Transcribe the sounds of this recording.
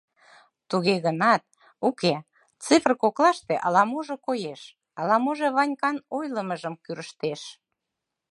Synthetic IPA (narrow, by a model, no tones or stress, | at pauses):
t̪uɣeɣənɑt̪̚ | uke | t͡sɨfrkoklɑʃt̪eʔɑlɑmoʒekojeʃ | ɑlɑmoʒeβɑnʲkɑnojləməʒəmkyɾəʃt̪eʃ